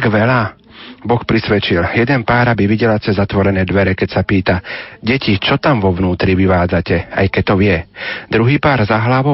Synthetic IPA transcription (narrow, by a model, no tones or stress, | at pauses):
ɡʋɛla | bɔxpɾisʋɛt͡ʃiljɛd̪ɛnpaːɾabiʋiɟɛlat͡sɛzːat̪ʋɔɾɛnɛːd̪ʋɛɾɛkɛcsapiːt̪aɟɛcit͡ʃɔt̪amʋɔʋnuːt̪ɾiʋiʋaːd͡zacɛa̰jkɛc̚t̪ɔʋɪɛd̪ɾuɦiːpaːɾzaɦlaʋɔ